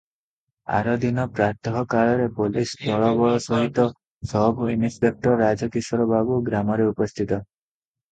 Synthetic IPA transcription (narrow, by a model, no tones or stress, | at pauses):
a̰ɾɔd̪inɔpɾaɾt̪ʰɔɦɔkaɭɔɾepolisbʱɔɭɔbɔɭɔsɔɦit̪ɔ | sɔɦbuinispek̚ʈɔɾːad͡ʒɔkisɔɾɔbabuɡɾamɔɾeupɔst̪ʰit̪ɔ